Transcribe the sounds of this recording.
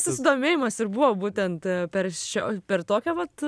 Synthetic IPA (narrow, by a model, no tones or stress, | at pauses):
sʊsʲɪd̪oːmʲeːjɪmɐsɪɾbuʋoːbuːt̪ʲɛnt̪pʲɛɾʃʲoːpʲɛrt̪oːkʲɛʋɐt̪